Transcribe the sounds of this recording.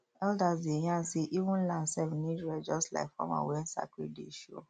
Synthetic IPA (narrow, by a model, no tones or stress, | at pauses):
ɛldazdejãseʔivũnlãnsɛvnidɹɛd͡ʒɔstla̰ɪkfɔ̰̃mã̰wɛnsa̰kḭdḛʃo̰